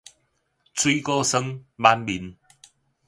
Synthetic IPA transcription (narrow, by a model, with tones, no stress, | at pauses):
t͡swi˦kɔ˦sə˦ŋba˦nbi˨˦n